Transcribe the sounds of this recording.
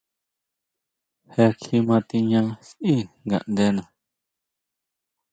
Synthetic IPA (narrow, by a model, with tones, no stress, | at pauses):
he˧kʰi˧mã˧t̪i˧ɲã˦˧sʔi˦˨ŋɡa̰˨ʔnd̪e˧nã˨